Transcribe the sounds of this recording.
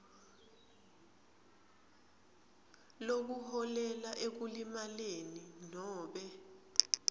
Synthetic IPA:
lok̬uhɔlɛlaʔek̬ulimaleninɔːɓɛ

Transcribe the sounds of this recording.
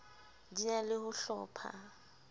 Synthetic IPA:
dinalɪhʊɬɔ̰ːpʰa̰

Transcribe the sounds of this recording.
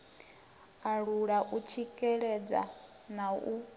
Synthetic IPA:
aɺuɺaʔut͡ʃʰikʼɛɺɛd͡za̰ | nau

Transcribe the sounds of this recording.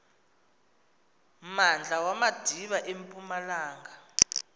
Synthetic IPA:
mand͡ɮʱawamad̥ʱiɓaʔempʼumalaːŋa

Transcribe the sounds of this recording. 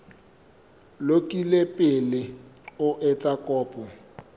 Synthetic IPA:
lokʼilepʼɪlɪʊʔɪt͡sʼakʼɔːpʼɔ

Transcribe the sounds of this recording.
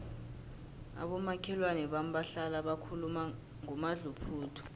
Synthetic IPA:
a̰ɓɔmakʰɛlwanɛɓam̩baɬalaɓakʰuluma | ŋumaɮupʰuːtʰɔ̥

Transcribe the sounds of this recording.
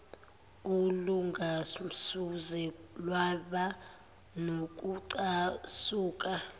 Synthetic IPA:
uluŋɡʱam̩suzɛlwaɓa | nok̬ʼuǀasuːkʼa

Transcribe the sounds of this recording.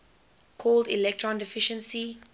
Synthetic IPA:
kʰɔldḭlɛk̚tʰɹɔ̃ndɛfɪʃə̃nsi

